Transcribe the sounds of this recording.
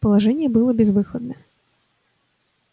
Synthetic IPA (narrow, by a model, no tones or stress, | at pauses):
pəlˠaʐɛnʲɪjɛbɨlˠəbʲɛzvɨxəd̪nə